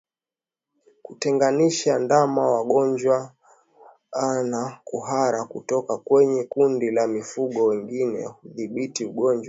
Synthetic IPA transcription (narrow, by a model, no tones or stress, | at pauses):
kutɛŋɡaniʃandamawaɠɔɲd͡ʒwa | nakuɦaɾakutɔkakwɛɲɛkundilamifuɠɔwɛŋɡinɛ̰huðiɓitiuɠɔɲd͡ʒwa